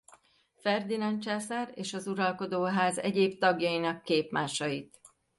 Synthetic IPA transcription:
fɛrd̪inɒnt͡ʃaːsareːʃɒzuɾɒlko̞d̪oːɦaːzɛɟeːpt̪ɒɡjɒjinɒkːeːpmaːʃɒjit̪

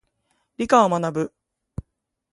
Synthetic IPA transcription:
ɾʲikaomanabɯ̟

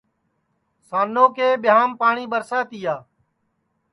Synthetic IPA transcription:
saːnõːkeːɓɪaːmpaːɳiːɓəɾsaːt̪iːjaː

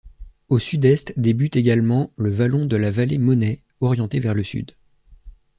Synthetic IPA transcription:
osyd̪ɛst̪d̪ebyt̪eɡalmɑ̃ləvalɔ̃d̪əlavalemɔnɛ | ɔʁjɑ̃t̪evɛʁləsy̰d̪

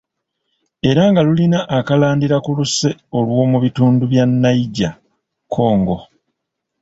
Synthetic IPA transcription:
e̞ɾaŋɡalulinaʔːkalaːndiɾakuluse̞o̞lwo̞ːmuβituːnduβjanːaiɟa | kʰo̞ːŋɡo̞

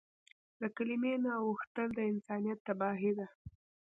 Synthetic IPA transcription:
ləkalimenaːwuxt̪əld̪əɪnsɑnijat̪ːabɑɦid̪a

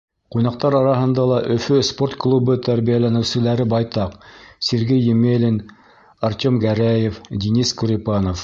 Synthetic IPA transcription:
qujnɑq̚t̪ɑɾɑɾɑɦɤ̆nd̪ɑlˠɑʔɵ̆fɵspo̞rt̪klˠubɤt̪æɾβijælænɘ̆wsɘ̆læɾɘbɑjt̪ɑqsʲeɾɡejːɘmelʲɘn | ɑɾt̪ʲomɡæɾæjefd̪ʲiniskuɾʲipɑnof

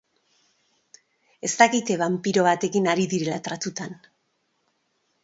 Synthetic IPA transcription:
e̞st̪akit̪eβampiɾo̞βat̪e̞kinaɾiðiɾelat̪ɾat̪ut̪an

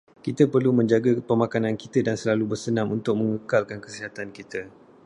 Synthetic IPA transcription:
kit̪əpərlumə̃ɲd͡ʒaɡapəmãkanãnkit̪ədansəlalubərsənãmunt̪ʊk̚mə̃ŋəkalkankəsiɦat̪ankit̪ə

